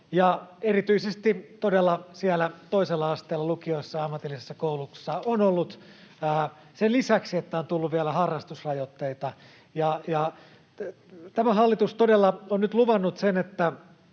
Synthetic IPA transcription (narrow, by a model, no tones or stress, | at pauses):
jɑerit̪yisest̪it̪odelːɑsiælæt̪oiselːɑɑst̪eːlːɑlukioisːɑɑmːɑt̪ilːisesːɑkoulusːɑonolːut̪æː | senlisæksiet̪ːæont̪ulːuʋʋiælæhɑrːɑst̪usrɑjot̪ːeit̪ɑ | jɑjɑ | t̪æmæɦɑlːit̪ust̪odelːɑonnyt̪luʋɑnːut̪senet̪ːæ